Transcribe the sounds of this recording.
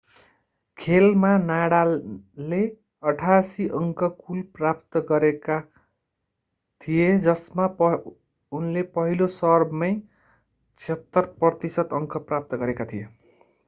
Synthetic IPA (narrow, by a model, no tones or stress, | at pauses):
kʰelmanaɽale | ʌʈʰasiʔʌŋkʰʌkulprap̚t̪ʌɡʌɾeka | t̪ʰijed͡zʌsmap | unlepʌɦilosʌrbmʌj | t͡sʰet̪ːʌrprʌt̪isʌt̪ʌŋkʰʌprap̚t̪ʌɡʌɾekat̪ʰije